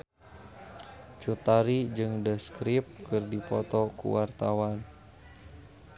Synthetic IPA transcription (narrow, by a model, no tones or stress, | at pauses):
t͡ʃut̪aɾid͡ʒɨŋdəskɾip̚kɨrdipɔt̪ɔkṵwart̪awan